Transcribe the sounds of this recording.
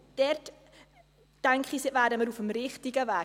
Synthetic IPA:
d̥ɛrt | tɛŋkχisvæːdəməɾufəmɾɪχtiɡəvæː

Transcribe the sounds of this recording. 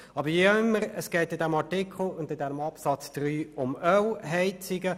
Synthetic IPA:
ɑbəɾjiɪmːəɾəsɡ̥ɛɪtɪdɛmɑɹtɪkʰl̩ʊndɪdɛnəmɑpsɑt͡sd̥ɾyːʊmœwɦɛɪt͡sɪɡə

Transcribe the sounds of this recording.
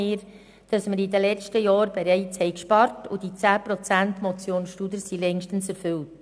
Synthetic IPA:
ɪːɾ | d̥ɑsməɾidəlɛt͡stəjɑːɾbeɾɛɪt͡shɛɪkʃpɑɾtʊd̥it͡sæːpɾɔt͡sæntmɔt͡sjoːnsʃtudəɾsilɛŋʃtən̩sɛɾfʏlt

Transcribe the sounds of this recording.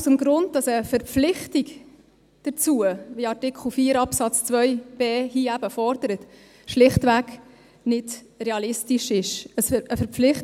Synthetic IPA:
səmɡɾʊnd̚d̥ɑsəfəɾpp͡flɪχtik | d̥ət͡suəʋiɑrtɪkχl̩fiːəɾɑpsɑt͡st͡svœjb̥eːhiːæb̥əfɔɾd̥əɾət | ʃlɪχtʋæɡ | nɪd | ɾeɑlɪstiʃɪʃəsəfəɾp͡flɪχt

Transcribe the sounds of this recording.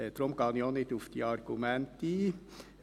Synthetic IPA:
d̪ɾomɡ̥ɑːnjonɪt̪ufd̪iɑɾɡ̥umænt̪i

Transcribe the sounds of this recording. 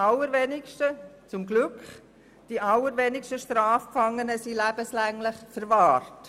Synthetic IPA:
alːəɾvenɪkʃtət͡sʊmɡlʏkχ | d̥iʔaləɾvenɪkʃtəʃtraːfpfaŋːənəsilæb̥əslæŋlɪχfəɾvɑːrt

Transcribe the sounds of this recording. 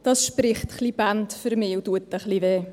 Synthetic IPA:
d̥ɑːsʃpɾɪχtχlibantfʏɾmɪːutuətəχliveː

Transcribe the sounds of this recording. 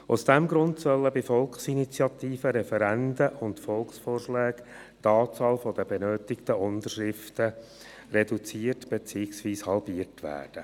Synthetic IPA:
ʊ̰sd̥ɛmɡɾʊntsœlːəbɪfɔlˠkχsinit͡sjɑtiːfəɾɛfɛɾændəʔʊntfɔlˠksfoːrʃlɛːk | tɑːt͡sɑːlfɔd̥əbɛnøːtɪktəʔʊnd̪əʃɾɪftə | rɛdut͡siːərtb̥et͡siːɪksʋiːshɑlbiːərtʋæ̰ːrd̥ə

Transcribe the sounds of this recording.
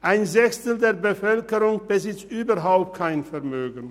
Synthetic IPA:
ʔaɪnzɛçstl̩deːɐbəfœlkəʁʊŋb̥əzɪt͡sʔyːbɐɦaʊp̚t̚kʰaɪnfɛɐmøːɡn̩

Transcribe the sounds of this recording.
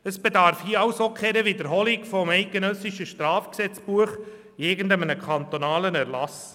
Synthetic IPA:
əsb̥edɑɾfhiəɑwsokʰχɛɾəʋidəɾɦɔlikfɔmɛɪt̪̚ɡenœsiʃəʃtɾɑːfksɛt͡sb̥uəχ | ɪɡənd̪əmənəkʰχɑnt̪onɑːlənæɾlɑs

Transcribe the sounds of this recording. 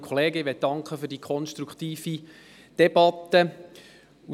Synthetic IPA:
kʰχɔleːɡəiʋɛt̚d̥ɑŋkχəfʏɾdiːkʰχɔnʃtɾukʰχt̪iːfi | d̥ɛbɑt̪ːə | u

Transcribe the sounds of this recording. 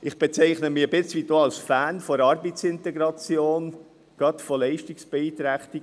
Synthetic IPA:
ʔɪχb̥et͡sɛɪχnəmibɪt͡sʋidoːɑlsfæːnfoɾɑɾbisɪntɛɡɾɑt͡sjoːn | ɡ̥ɑt̪fɔlɛɪʃtiksb̥eiːt̪ɾæχt̪i

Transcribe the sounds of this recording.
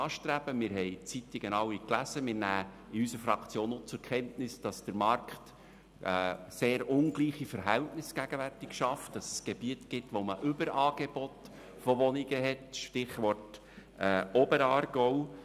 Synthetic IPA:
ɑːʃtɾæb̥əmɪːɾɦɛjt͡sitiɡ̥ənɑwiklæzəmɪɾnæː | ɪysəfɾɑkʰt͡sjoːnot͡sʊɾkʰɛntnɪsd̥ɑsd̥əɾmɑrkχtː | seːɾʊnɡ̥liːχifəɾɦæltnɪsɡ̥æɡ̥əværtɪkʃɑftd̥ɑsəsɡ̥eb̥iətɡ̥ɪtʋoməʔʏbəɾɑːɡ̥eb̥ɔt | fɔʋɔniɡəɦɛtʃtɪχʋɔrt | ɛːɔbəɾɑːɾɡ̥ɔw

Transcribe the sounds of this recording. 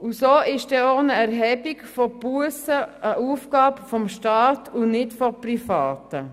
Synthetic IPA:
ʊsoːʔɪʃd̥ɛoːnəɛɾɦɛbɪkfɔpuəsəəʔuːfɡ̥ɑːbfɔmʃtɑːtʰʊnɪtfɔpɾifɑːtə

